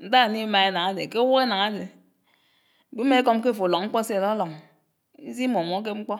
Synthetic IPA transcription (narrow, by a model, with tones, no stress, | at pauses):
n̩˦da˦˨ni˦ma˨e˦na˨ŋa˦de˨ke˦wu˦e˦na˨ŋa˦de˨ | ɡ͡bi˦me˦e˦kɔ˦m˦k̬e˦˨fo˨lɔ˨˦ŋ͡m̩˦k͡pɔ˦se˦e˨dɔ˦lɔ˨ŋ | i˦zi˦mo˨m˨o˨˦k̬e˦ŋ͡m̩˦k͡pɔ˦